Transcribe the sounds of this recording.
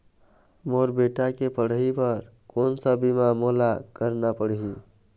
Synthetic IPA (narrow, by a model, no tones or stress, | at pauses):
moɾbeʈakepəɽ̤ɦipəɾ | konsəbimamolakəɾnapəɽ̤ɦi